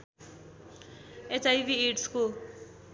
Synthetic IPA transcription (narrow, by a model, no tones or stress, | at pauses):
et͡sʰajbieʈsko